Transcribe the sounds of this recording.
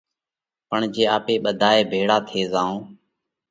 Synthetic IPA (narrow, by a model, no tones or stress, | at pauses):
pəɳd͡ʒeːaːpeːɓəd̪ʱaːeːbʱeːɽaːt̪ʰeːzaːõː